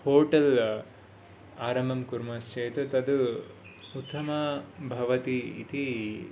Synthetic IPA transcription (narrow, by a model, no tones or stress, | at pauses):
hoːʈɐl | aːɾɐmbʱɐmkuɾmɐst͡ʃeːt̪ɐt̪ɐd̪u | ut̪ʰːɐmɐbʱɐʋɐt̪iːt̪i